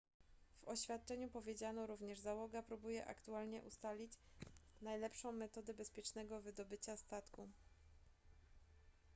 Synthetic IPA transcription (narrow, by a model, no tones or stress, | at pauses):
v̥ɔɕfʲjat̪̚t͡ʂɛɲupɔvʲjed͡ʑanɔɾuvɲɛʐzawɔɡapɾubujɛʔa̰kt̪ualɲɛʔust̪alʲit͡ɕnajlɛpʂɔ̃w̃mːɛt̪ɔd̪ɛbɛspʲjɛt͡ʂnɛɡɔvɘd̪ɔbɘt͡ɕast̪at̪ku